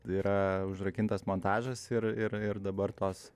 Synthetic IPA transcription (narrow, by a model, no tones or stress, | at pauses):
iːɾʔɐʊʒɾɐkʲɪnt̪ɐsmoːnt̪ɑːʒɐsɪrɪrɪrd̪ɐbɐrt̪oːs